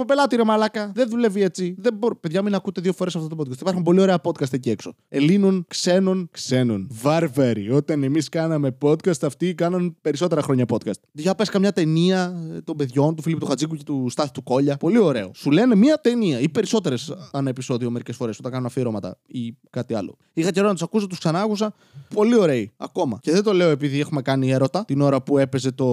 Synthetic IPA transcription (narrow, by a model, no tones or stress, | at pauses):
pope̞lɐt̪iɾimɐlɐkɐðenðule̞vie̞t͡siðeboɾpeðʝɐminɐkut̪eðiofo̞ɾesɐft̪ot̪pot̪kɐst̪ipɐɾxumpo̞lio̞ɾe̞ɐpo̞t̪kɐst̪ecie̞kso̞ | e̞linonkse̞nonkse̞nonvɐɾvɐɾḭo̞t̪ɐne̞miskɐnɐme̞po̞t̪kɐst̪ɐft̪ikɐnɐnpe̞ɾiso̞t̪̬eɾɐxɾo̞ɲɐpo̞t̪kɐst̪̚ʝɐpeskɐmɲɐt̪e̞niɐt̪o̞mbe̞ðʝo̞nt̪ufiliput̪uxɐd͡zikuce̞t̪ust̪ɐθi̥t̪uko̞ʎɐpo̞lio̞ɾe̞o̞̰sule̞ne̞mɐt̪e̞niɐipe̞ɾiso̞t̪e̞ɾe̞sɐnɐepiso̞ðio̞me̞ɾice̞sfo̞ɾe̞sotɐŋkɐnunɐfiɾo̞mɐt̪ɐ̰ikɐt̪iɐ̰lo̞̰ | ixɐceoɾɐnt̪sɐkus̬ot̪usksɐnɐɐkusɐ | po̞lio̞ɾe̞iɐ̰ko̞mɐ̰ce̞ðedt̪o̞le̞oe̞piðie̞xume̞kɐnie̞ɾo̞t̪ɐt̪ino̞ɾɐpue̞pe̞ze̞t̪o̞